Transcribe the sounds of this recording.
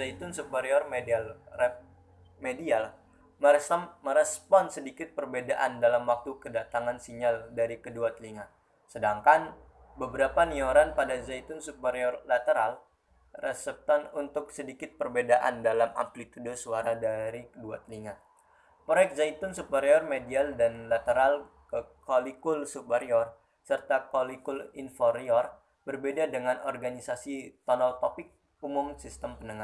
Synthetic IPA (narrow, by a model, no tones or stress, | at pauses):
zait̪ʊnsupəɾeɔrmedalɛ | medial | məsməɾɛspɔnsədikɪt̪̚pərbedaʔandalamwak̚t̪ukədat̪aŋansiɲaldaɾikəduat̪liŋa | sədaŋkan | bəbəɾapanioɾanpadazajt̪ʊnsupəɾeɔrlat̪əɾal | rɛsɛp̚t̪ɔnunt̪ʊk̚sədikɪt̪̚pərbedaʔa̰ndalama̰mplit̪udosuaɾadaɾikədua̰t̪əliŋah | pɾojɛk̚t̪̚zajt̪ʊnsupəɾiɔrmedialdanlat̪əɾal | kəkolikʊlsupəɾiɔr | sərt̪akolikʊlinfɔɾiɔr | bərbedadəŋanɔrɡanisasit̪ɔnɔlt̪opɪk̚ | umʊmsist̪əmpənəŋa